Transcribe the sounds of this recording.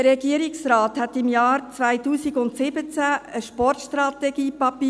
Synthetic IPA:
əɾɛɡiəɾɪksɾɑːthɛt̪ɪmjɑːɾt͡sʋaɪtuːsiɡʊntsɪbət͡sæəʃpɔrtʃtɾɑtɛɡiːpɑpi

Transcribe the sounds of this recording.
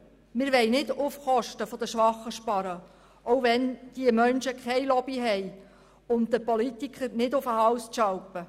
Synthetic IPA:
mɪɾʋɛɪnɪdʊfχɔʃtəfod̥̪əʃʋɑχːəʃpɑɾə | ʔɔwʋɛnd̥iəmœnʃəkʰɛjlɔbiɦɛj | ʊndəpɔlit̪ikʰχəɾnɪdʊfəɦɑwsʃɑwpə

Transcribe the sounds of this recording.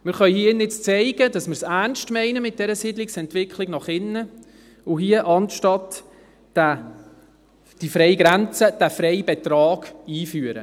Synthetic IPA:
mɪɾχœʏhiənɪt͡st͡sɛɪɡ̥ədɑsmɪɾsænʃtmɛɪnəmɪt̚d̥ɛɾəsidlɪksɛntvɪkʰlɪɡnɑχɪnːə | ʊɦiəʔɑntʃtɑt | æ | d̥ifɾɛɪjɡɾænt͡səd̥æfɾɛɪbɛtrɑːɡ̥iːfyːəɾə̰

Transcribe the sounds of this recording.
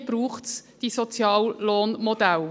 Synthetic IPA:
b̥ɾuːχtsd̥isɔt͡sjɑːlːoːnmɔd̪æl

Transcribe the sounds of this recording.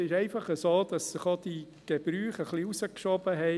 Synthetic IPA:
ɪʃɛɪfɑχəsoːd̥̪ɑsːɪχod̥̪i | ɡ̥eb̥ɾyːχəχliusəkʃɔb̥əɦɛ

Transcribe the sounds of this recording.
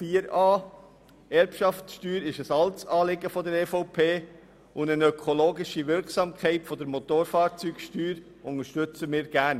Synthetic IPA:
fiːəɾɑː | ɛɾpʃɑftsʃtyːɾɪʃəsɑlt͡sɑːlɪɡəfɔdəɾɛːfoʊpʰeː | ʊnənœkʰoloːɡɪʃiʋɪɾksɑːmkχɛɪtfɔd̪əɾmot̪oːɾfɑːɾt͡syːkʃtyːɾ | ʊŋəʃtʏt͡səmɪːɾɡ̥æːɾn

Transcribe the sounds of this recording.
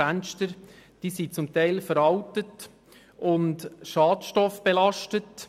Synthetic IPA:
ænʃtəɾd̥iːsit͡sʊmtæɪlfəɾɑwtət | ʔʊntʃɑːtʃtɔfb̥elɑʃtət

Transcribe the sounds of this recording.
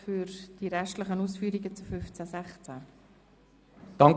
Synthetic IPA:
fʏɾd̥iɾɛʃtləχənuːsfyːɾiɡət͡sufʏft͡sæsæχt͡sæ | d̪̥ɑŋ

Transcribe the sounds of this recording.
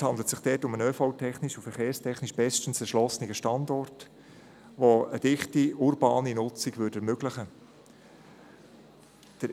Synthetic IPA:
hɑnd̪lətsɪχd̥ɛtʊmənøːfoʊtʰɛχniʃufɛɾχeːɾstʰɛχniʃb̥ɛstən̩sɛʃlɔsənɪɡəʃtɑndɔrt | ʋoəd̥ɪχtiʊɾbɑːninʊt͡siɡʋʏdɛɾmøɡlɪχə | d̥əɾ

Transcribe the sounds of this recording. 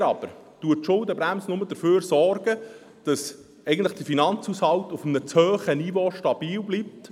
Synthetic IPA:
ɾɑb̥əɾtuəʃʊldəbɾæmsnʊməd̥̪əføːɾsɔrɡə | d̥ɑs | ɛɪɡəntləχd̥əfinɑnt͡shushɑltʊfəmnət͡shøːχənivoʃtɑb̥iːlblip̚t

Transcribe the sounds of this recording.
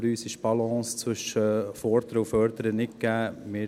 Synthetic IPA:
ɾyːsɪʃb̥ɑlɔ̃ːst͡sʋɵʃəfɔɾd̪əɾəufœɾd̪əɾənɪt̚kɡ̥æːmɪ

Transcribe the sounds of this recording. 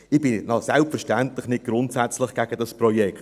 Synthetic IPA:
ɪb̥ɪnɑsɛlpfəɾʃtænt̪lɪχnɪt̚ɡ̥ɾʊntsæt͡slɪχɡ̥æɡ̥əd̥̪ɑspɾɔjɛkt

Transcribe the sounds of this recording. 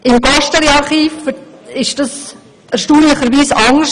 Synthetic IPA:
ʔɪmɡɑʃtəɾɛɑɾχiːfɪʃd̥ɑs | ɛɾʃtuːnlɪχəɾʋiːsɑŋəʃ

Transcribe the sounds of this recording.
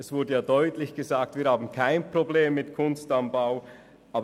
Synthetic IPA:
ʔɛsv̥ʊɐdəjaːdɔʏtlɪçɡ̥əzaːk̚tviːɐhaːbn̩kʰaɪnpʁ̥obleːmːɪtkʰʊnstanbaʊ | ʔaːb

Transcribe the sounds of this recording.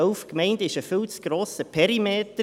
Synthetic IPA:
œʊfkmɛɪndɪʃəfʏlsɡ̥ɾoːsəpʰɛɾimeːtə

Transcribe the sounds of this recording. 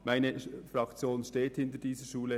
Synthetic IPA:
maɪnəfɾɑkt͡sjoːnʃteːthɪntəɾd̥iːzəʃuːlə

